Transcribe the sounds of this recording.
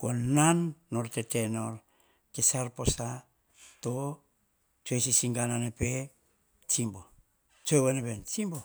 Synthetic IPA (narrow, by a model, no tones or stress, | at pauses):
konanːoɾtetenoɾ | kesaɾposa | to | t͡ʃuesisiŋɡananepe | t͡ʃimbo | t͡ʃewenebent͡ʃimbo